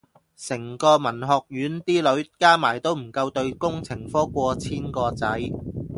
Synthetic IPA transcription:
sɪ˨˩ŋkɔː˧mɐ˨˩nɦɔː˨k̚jyː˨˥nt̪iː˥lɵ˨˥ɥkaː˥maː˨˩jt̪o˥wm̩˨˩kɐ˧wt̪ɵ˧ɥkʊ˥ŋt͡sʰɪ˨˩ŋfɔː˥kʷɔː˧t͡sʰiː˥nkɔː˧t͡sɐ˨˥j

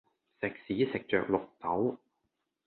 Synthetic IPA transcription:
sɪ˨k̚siː˨˥sɪ˨k̚t͡ʃœ̰ː˨˧k̚lʊ˨k̚t̪ɐ˨˥w

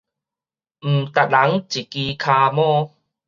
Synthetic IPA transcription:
m̩˨˩t̪a˨˩t̚la˨˦ŋt͡ɕi˨˩ki˧kʰaː˧mɔ̃ː˦˧˦

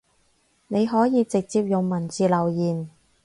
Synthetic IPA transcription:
ne˨˧jɦɔː˨˥jiː˧t͡sɪ˨k̚t͡siː˧p̚jʊ˨˩ŋmɐ˨˩nt͡siː˨lɐ˨˩wjiː˨˩n

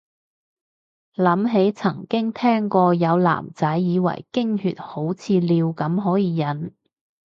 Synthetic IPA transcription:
lɐ˨˥mɦe˨˥jt͡sʰɐ˨˩ŋkɪ˥ŋt̪ʰɛː˥ŋkɔː˧jɐ˨˧wla̰ː˨˩mt͡sɐ˨˥jːiː˨˧wɐ̰˨˩jkɪ˥ŋhyː˨˧t̚ho˨˥wt͡sʰiː˧liː˨˧wkɐ˨˥mɦɔː˨˥jiː˨˧jɐ˨˥n

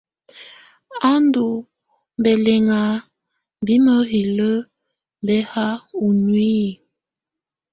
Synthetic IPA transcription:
a˦ndu˨ | bɛ˨lɛ˨ŋa˨ | bi˦mə˦ɣi˨lə˦ | bɛ˦ha˦u˨nwi˦˨

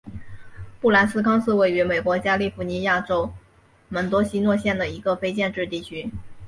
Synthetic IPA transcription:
pu˥˩la˧˥nsɹ̩˥kʰɑ˥ŋsɹ̩˥˧we˥˩ɪy˧˥me˨˩ɪkwɔ˧˥t͡ɕja˥li˥˩fu˧˥ni˧˥ja˥˩ʈ͡ʂo˥ʊ | mə˧˥nt̪wɔ˥ɕi˥nwɔ˥˧ɕjɛ˥˩nd̪ə˩i˧˥ɡə˧fe˥ɪt͡ɕjɛ˥˧nʈ͡ʂɻ̩˥˧t̪i˥˩t͡ɕʰy˥

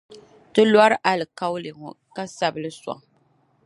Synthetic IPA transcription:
tɨ˦lwa˦ɾɨ˦ʔa˨lɨ˨ka˦wle˨ŋɔ̰˨ | ka˦sa˦bɨ˦lɨ˦sɔ̰˨ŋ

